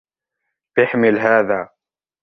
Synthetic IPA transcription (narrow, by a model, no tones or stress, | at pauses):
b̥ɪħmɪlɦaːðaː